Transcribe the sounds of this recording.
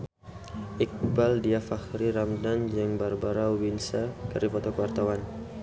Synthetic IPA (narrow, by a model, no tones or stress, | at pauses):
ʔik̚baldiafahɾiɾamdand͡ʒəŋbarbaɾauwinsakaɾipɔt̪ɔkwart̪awan